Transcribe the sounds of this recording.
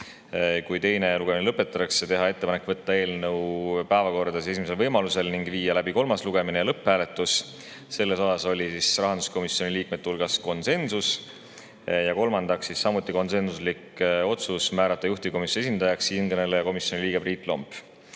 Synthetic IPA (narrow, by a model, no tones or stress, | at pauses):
kujt̪e̞jne̞luɡ̥eminelɤpːˑe̞t̪ːˑɑt̪ɑkset̪e̞ɦɑe̞t̪ːepɑne̞kːvɤt̪ˑːɑe̞ːlnɤwpæevɑko̞rd̪̥ɑsise̞s̬imese̞lvɤjmɑluse̞lniŋɡ̥viːjɑlæbiko̞lmɑsluɡ̥e̞minelɤpːæːle̞t̪ːˑus | se̞lːe̞so̞sɑso̞lʲisisrɑɦɑnd̪u̥sko̞misjo̞niliːk̚me̞d̪̚ːulɡ̥ɑsko̞nse̞nsus | jɑko̞lmɑnd̪ɑksːisːɑmut̪ːˑiko̞nse̞nsusliko̞t̪susmæːɾɑt̪ˑːɑjuht̪iko̞mise̞s̬ind̪̥ɑjɑksinɡ̥̪enelejɑko̞misjo̞niliːɡ̥e̞briːt̪ːˑlo̞mp